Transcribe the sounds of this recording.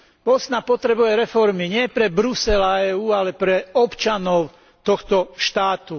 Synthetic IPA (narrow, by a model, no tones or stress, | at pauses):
ʋɔsnapɔt̪ɾɛbujɛɾɛfɔɾmiɲɪɛpɾɛbɾusɛlaɛːuːalɛpɾɛɔpt͡ʃanɔʊ | t̪ɔxt̪ɔʃt̪aːt̪u